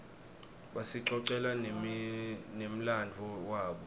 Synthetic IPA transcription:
ɓasiǀɔǀɛla | nem̩landʱɔwaːɓɔ

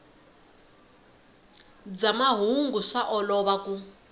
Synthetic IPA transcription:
d͡zamaɦuŋɡuʂaʔɔlɔβaku

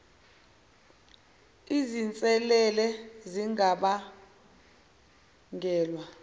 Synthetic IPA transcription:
izint͡sʼɛlɛlɛziŋaɓa | ŋɡʱɛːlwa

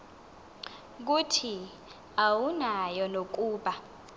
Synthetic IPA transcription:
k̬utʰi | awunajɔnok̬uːɓa

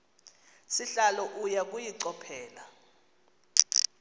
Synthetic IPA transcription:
siɬalɔʔujak̬ʼujiǀɔpʰɛːla

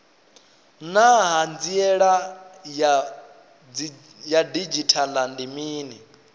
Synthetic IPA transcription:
naɦand͡ziɛɺa | jadid͡ʒitʰalandimiːni

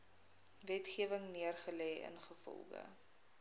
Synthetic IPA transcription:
vɛtχiəvəŋniərχəlɛːə̰nχəfɔ̰lˠχə̰

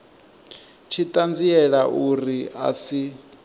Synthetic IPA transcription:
t͡ʃʰitʼand͡ziɛɺaʔuɾia̰si

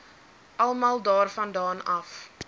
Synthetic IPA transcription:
ʔɐlˠmɑːlˠdɑːrfɐndɑːnɐf

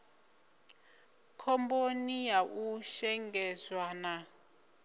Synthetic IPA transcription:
kʰɔmbonijaʔuʃɛŋɡɛzwana

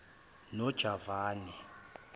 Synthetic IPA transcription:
nɔd̥ʒ̥ʱavaːnɛ

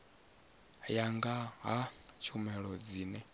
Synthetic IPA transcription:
jaŋɡaɦat͡ʃʰumɛɺɔd͡ziːnɛ

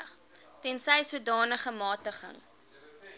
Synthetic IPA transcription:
χ | tɛnsɛjsuədɑːnəχəmɑːtəχə̰ŋ

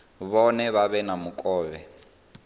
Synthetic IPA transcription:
βɔnɛβaβɛnamukʼɔːβɛ

